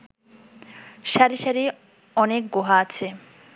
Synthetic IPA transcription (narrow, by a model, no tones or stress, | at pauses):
ʃaɾiʃaɾi | ɔnek̚ɡoɦaat͡ɕʰe